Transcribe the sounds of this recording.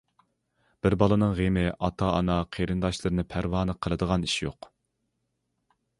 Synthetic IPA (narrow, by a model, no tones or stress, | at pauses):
b̥ɪɾbɑlˠɨnɨŋʁemɪʔɑt̪ʰɑːnɑqʰeɾɨnd̪ɑʃlˠɨɾɨnɨpʰæɾwɑːnɨqʰəlˠɨd̪əʁɑniʃjo̰q